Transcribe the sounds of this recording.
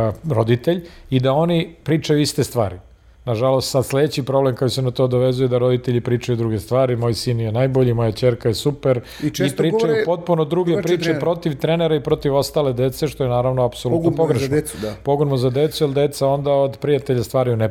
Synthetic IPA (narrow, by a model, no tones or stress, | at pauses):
ɾo̞d̪it̪eʎid̪ao̞nipɾiːt͡ʂajuist̪est̪ʋa̰ːɾi | naʒalo̞st̪sad̪sled̪et͡ɕipɾo̞blemkakjosenat̪od̪oʋezujed̪aɾo̞d̪it̪eʎipɾiːt͡ʂajud̪ɾuɡest̪ʋaːɾimo̞ːjsiːnjenajbo̞ʎimo̞jat͡ɕeɾkajesupeɾ | ipɾiːajupo̞t̪̚punod̪ɾuːɡepɾiːt͡ʃepɾo̞t̪iʋt̪ɾeneɾaipɾo̞t̪iʋo̞st̪aːle̞d̪et̪se̞ʃt̪o̞jenaːɾaʋnoapsolutnotpoɡɾeʃnpo̞ɡonmozad̪et̪sujelˠd̪et̪sao̞nd̪aod̪pɾijat̪eʎast̪ʋaːɾjune